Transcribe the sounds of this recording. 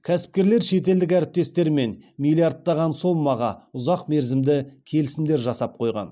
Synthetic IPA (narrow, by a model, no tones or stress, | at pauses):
kʲʰæsɪ̥p̚kʲe̞ɾle̞ɾʃe̞t̪̬e̞ld̪ɪk̬ʲæɾɪp̚t̪e̞st̪e̞ɾme̞nmilʲˠijard̪ːɑʁɑnso̞mːɑʁɑʊzɑqme̞ɾzɪmd̪ɪkʲʰe̞lɪsɪmd̪e̞ɾʒɑsɑp̚qʰo̞jʁɑ̰n